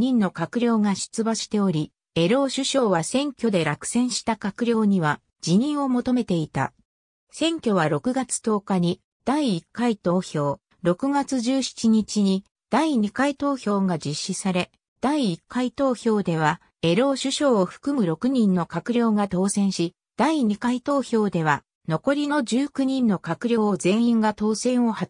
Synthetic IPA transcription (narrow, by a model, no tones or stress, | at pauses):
ɲĩnːo̞kakɯ̟ɾʲo̞ːŋaɕɨ̥t͡sɨbaɕi̥t̪e̞o̞ɾʲi | e̞ɾo̞ːɕɨɕo̞ːβasẽ̞ŋkʲo̞d̪e̞ɾakɯ̟̥sẽ̞ɰ̃ɕi̥t̪akakɯ̟ɾʲo̞ːɲ̟iβa | d͡ʑiɲ̟ĩɰ̃o̞mo̞t̪o̞me̞t̪e̞it̪a̰ | sẽ̞ŋkʲo̞β̞aɾo̞kɯ̟ɡat͡sɨ̥t̪o̞ːkaɲ̟i | d̪̥aiːkːait̪o̞ːçʲo̞ː | ɾo̞kɯ̟ɡat͡sɨʑɨːçi̥t͡ɕiɲ̟it͡ɕiɲ̟i | d̪̥aiɲ̟ikait̪o̞ːçʲo̞ːɡad͡ʑiɕːisaɾe̞ | d̪̥aiːkːait̪o̞ːço̞ːd̪e̞β̞a | e̞ɾo̞ːɕɨɕo̞ːɸɯ̟̥kɯ̟mɯ̟ɾo̞kɯ̟ɲ̟ĩnːo̞kakɯ̟ɾʲo̞ːɡat̪o̞ːsẽ̞ɰ̃ɕi | d̪̥aiɲ̟ikait̪o̞ːço̞ːd̪e̞β̞a | no̞ko̞ɾʲino̞d͡ʑɨːkɯ̟ɲ̟ĩnːo̞kakɯ̟ɾʲjo̞ːozẽ̞ɰ̃ĩŋɡat̪o̞ːsẽ̞ɰ̃o̞ha